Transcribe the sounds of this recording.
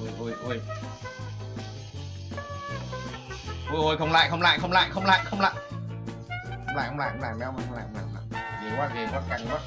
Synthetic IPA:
u˧˩jʔu˧jʔu˧˩j | ʔu˧jʔo˧˩jxə˧wŋ͡mla̰ː˧˨jxə˧wŋ͡mla̰ː˧˨jxə˧wŋ͡mla̰ː˧˨jxə˧wŋ͡mla̰ː˧˨jxə˧wŋ͡mla̰ː˧˨j | xxə˧wŋ͡mla̰ː˧˨jxə˧ŋ͡mla̰ː˧˨jxə˧ŋ͡ma̰ː˧˨˧ŋ͡mla̰ː˧˨hə˧a̰ː˧˨jŋ͡mla̰ː˧˨˧e˨˦kwaː˧˥˩ɣe˨˦kʷwa˧˥˩ka˨˧˩a˦˥

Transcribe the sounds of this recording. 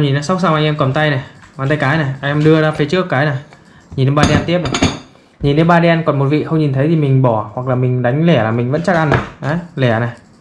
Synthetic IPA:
mɲi˨˩naː˨˦sa˦˥wk͡p̚saː˧wʔa˧jŋʔɛ˧mkɔ˨˩nt̪a˧jna˨˩aː˨˩nt̪a˧jkaː˨˦jna˨˩ʔa˧jŋʔɛ˧mɗɨ˧əzaː˧fe˨˦t͡ɕɨ˦˥əkːaː˨˦jna˨˩ | ɲi˨˩nːe˨˧˦ɓaː˧ɗe˧ɛ˧nt̪i˦˥əp̚na˨˩j | ɲi˨˩nːe˨˧˦ɓaː˧ɗe˧ɛ˧nkɔ˨˩nmo˨˩t̚vḭ˧˨xə˧wŋ͡mɲi˨˩nt̪ʰə˨˦jt̪ʰi˨˩mï˨˩ŋ̟ɓɔ˧˩hwa˨˩k̚laː˨˩mï˨˩ŋ̟ɗa˨˦jŋ̟lɛ˧˩laː˨˩mi̟˨˩və̰˧˥nt͡ɕa˦˥k̚ʔa˧n˨˩ʔa˨˦jlɛ˧˩na˨˩

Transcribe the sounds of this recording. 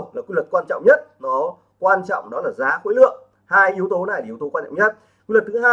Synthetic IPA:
laː˨˩ki˧˨lwə˨˩t̚kwaː˧nt͡ɕɔ̰˧˨wŋ͡mɲə˦˥t̚nɔ˨˦ | kwaː˧nt͡ɕɔ̰˧˨wŋ͡mɗɔ˨˦laː˨˩zaː˨˦xwe˨˦jlɨ̰˧˨əŋ | haː˧jʔi˨˦əwt̪o˨˦na˨˩jla˨˩i˨˦əwt̪o˨˦wa˧t͡ɕɔ̰˧˨ɲə˦˥t̚ | kwi˧lwə˨˩t̚t̪ʰɨ˨˦ɦaː˧

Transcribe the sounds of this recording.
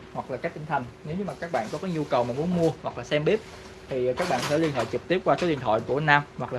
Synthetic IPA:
hwa˨˩k̚laː˨˩kaː˦˥k̚t͡ɕ̪i˧ŋ̟t̪ʰə˨˩ŋne˨˦wɲɨ˧maː˨˩kaː˦˥k̚ɓa̰ː˧˨nkɔ˨˦ka˨˦jɲu˧kə˨˩wmaː˨˩mu˨˦ənmu˧əhwa˨˩k̚laː˨˩sɛ˧mɓi˦˥p̚ | t̪ʰi˨˩kaː˦˥k̚ɓa̰ː˧˨nsɛ̰˧˩li˧ənho̰˧˨jt͡ɕɨ˨˩k̚t̪i˦˥əp̚kwaː˧so˨˦ɗḭ˨˩ənt̪ɔ̰˧˨jku˧˩ənaː˧mhwa˨˩k̚laː˨˩

